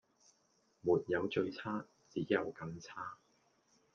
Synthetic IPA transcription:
muː˨˩t̚jɐ˨˧wt͡ʃɵ˧ɥt͡sʰaː˥ | t͡siː˨˥jɐ̰˨˧wkɐ˧ŋt͡sʰaː˥

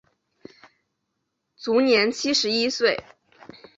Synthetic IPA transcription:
t͡su˧˥njɛ˧˥nt͡ɕʰi˥ʂɻ̩˧˥i˥swe˥˩ɪ

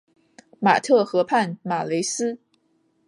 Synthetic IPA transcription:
ma̰˨˩t̪ʰɤ˥˩xɤ˧˥pʰa˥˩nma˨˩le˧˥ɪsɹ̩˥

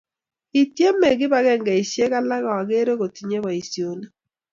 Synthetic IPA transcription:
i˨tje˦me˨ɣɪ˦βa˨˦ɣɛ˦ŋɡa˨i˨sje˦ɣa˦la˦ɣa˨a˨ɣe˦ɾe˦ɣo˨ti˨ɲe˦βa˨i˨sjo˨ne˦

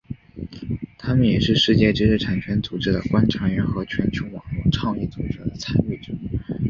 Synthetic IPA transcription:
t̪ʰa˥mə˨njɛ˨˩ʂɻ̩˥˧ʂɻ̩˥˧t͡ɕjɛ˥˩ʈ͡ʂɻ̩˥ʂɻ̩˥˩ʈ͡ʂʰa˨˩nt͡ɕʰɥɛ˧˥nt͡su˨˩ʈ͡ʂɻ̩˥d̪ə̰˨kwa˥nʈ͡ʂʰɑ˧˥ɥɛ˧˥nxɤ˧˥t͡ɕʰɥɛ˧˥nt͡ɕʰjo˧˥ʊwɑ˨˩ŋlwɔ˥˧ʈ͡ʂʰɑ˥˧ŋi˥˩t͡su˨˩ʈ͡ʂɤ˧˥˩d̪ə˨t͡sʰa˥ny˥˩ʈ͡ʂɤ˨˩˦

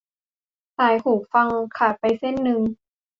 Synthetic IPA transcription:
saː˩˦jk̪ʰuː˨˩k̚fa˧ŋkʰa˧˩t̪̚pa˧jse˥˩˨nːɯ˧ŋ

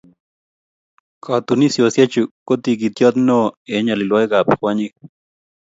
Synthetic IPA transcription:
kɔ˨t̪u˨ni˦sjo˨sja˦t͡ʃu˨kːo˦t̪i˧k̬i˨t̪jɔ˦t̪no˦e˦ɲa˨li˨lwɔ˦jɡa˨pxwa˦ɲi˦k̚

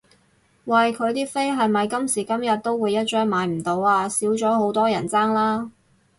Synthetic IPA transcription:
wɐ˨jkʰɵ˨˧ɥt̪iː˥fe˥jɦɐ˨jmɐ˨jkɐ˥msiː˨˩kɐ˥mjɐ˨t̚t̪o˥wwuː˨˧jːɐ˥t̚t͡ʃœː˥ŋmaː˨˥jm̩˨˩t̪o˨˧waː˧siː˨˥wt͡ʃɔː˨˥ho˨˥wt̪ɔː˥jɐ˨˩nt͡saː˥ŋlaː˥

